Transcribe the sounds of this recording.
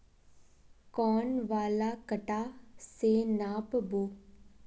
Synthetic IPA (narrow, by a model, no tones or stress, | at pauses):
kɔːnʋaːlaːkəʈaːseːnaːpboː